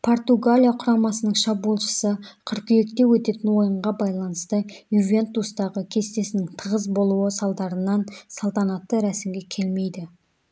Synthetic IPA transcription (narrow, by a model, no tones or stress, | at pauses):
pʰo̞rt̪uɡalʲijaqʰʊɾɑmɑsənəɴʃɑbuolˠʃə̥səqʰʏɾkʲʏje̞kt̪e̞wɵt̪e̞t̪ɪnwo̞jəɴʁɑbɑjlˠɑnəst̪əjuvʲe̞nt̪ust̪ɑʁəkʲʰe̞st̪e̞sɪnɪŋt̪ʰəʁəzbo̞lˠuwəsɑlˠd̪ɑɾənɑnsɑlˠt̪ɑnɑt̪ːəɾæsɪmɡʲe̞kʲʰe̞lme̞jd̪ɪ